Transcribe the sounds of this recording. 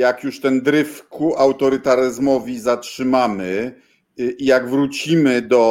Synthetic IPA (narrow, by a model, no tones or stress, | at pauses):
jakjuʂt̪ɛnd̪ɾɘfkuʔawt̪ɔɾɘt̪aɾɘzmɔvʲizatʂɘmamɘ | ijaɡvɾut͡ɕimɘd̪ɔ